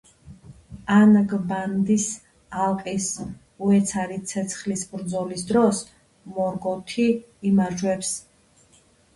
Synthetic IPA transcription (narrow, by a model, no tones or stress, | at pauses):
anɡband̪is | alˠqʼis | uɛt̪sʰaɾisʰɛt̪sʰχlisbɾd̪zɔlisd̪ɾɔs | mɔɾɡɔt̪ʰi | imaɾd͡ʒwɛps